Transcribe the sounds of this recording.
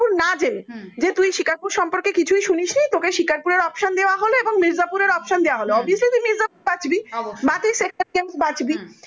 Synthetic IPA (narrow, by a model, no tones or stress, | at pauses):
puɾnad͡ʑeled͡ʑet̪ujʃikaɾpuɾʃɔmpoɾkekit͡ɕʰujʃuniʃnijt̪okeʃikaɾpuɾeɾɔpʃond̪eoaɦoloeboŋmiɾzapuɾeɾɔpʃond̪eoaɦoloɔbijoslit̪uimiɾzapuɾbad͡ʑbibat̪isekʰaʈ̚kemsbad͡ʑbi